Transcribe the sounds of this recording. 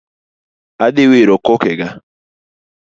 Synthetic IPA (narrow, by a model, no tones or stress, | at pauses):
adɪweɾɔkokɛɡa